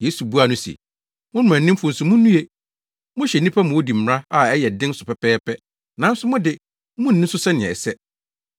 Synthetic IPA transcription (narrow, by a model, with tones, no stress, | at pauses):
jeː˨˦su˨bu˦a˨nʊ̃˦sḭ˨ | mʊ̃˦nʊ̃˨mæ̃˨nː˨˦ɪ̃˦m˦fʊ̃˨n̩˨sʊ̃˨mʊ̃˦nː˦ũ˦e˦ | mʊ̃˦ɕɛ˨nĩ˦pʰa˦mʊ̃˨o˦di˨m̩˨ɾã˦a˨ɛ˦jɛ˨dɪ̃˦n˦sʊ˨pɛ˨pɛː˦pɛ˦ | nã˨˦n˦sʊ˦mʊ̃˦dɪ˨ | mʊ̃˦n̩ː˨ɪ̃˦sʊ˦sɛ˦nɪ̃˨ɛ̰˨sɛ˦